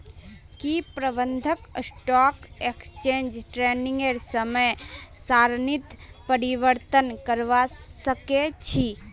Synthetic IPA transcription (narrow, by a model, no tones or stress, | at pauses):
kipɾəbənd̪ʱəksʈɔkekst͡ʃẽnd͡ʒʈɾenĩŋɡeɾsəməjsaɾnit̪pəɾiʋəɾt̪ənkəɾʋasəket͡ʃʰi